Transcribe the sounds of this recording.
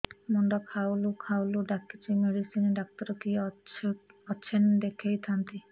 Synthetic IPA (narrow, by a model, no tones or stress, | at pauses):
mɔɳɖɔkʰawlukʰawluɖakːit͡ʃimeɽisinɖak̚t̪ɔɾɔki | ɔt͡ʃʰend̪ekʰejt̪ʰant̪i